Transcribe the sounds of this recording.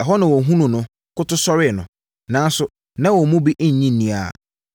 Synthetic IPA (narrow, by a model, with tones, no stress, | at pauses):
ɛ˨ɦɔ˦nã˨wɔ˨ɦũ˦nũ˨nʊ̃˨ | kʊ˦tʊ˦sɔ˦ɾɪ˦˨nʊ̰̃˨ | nã˨˦n˦sʊ˨ | nã˦wɔ˨mũ˦bi˦ʔ̩˦ɲ̩˨ɲĩː˦˨ĩ˨˦a̰˨